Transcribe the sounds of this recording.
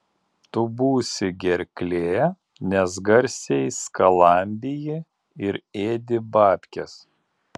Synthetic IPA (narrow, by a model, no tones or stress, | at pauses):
t̪ʊbuːsʲɪɡʲɛɾʲkʲlʲeː | nʲɛs̬ɡɐɾʲsʲɛɪskɐlˠɐˑmʲbʲɪjɪ | ɪɾeːd̪ʲɪbɑːpʲkʲɛs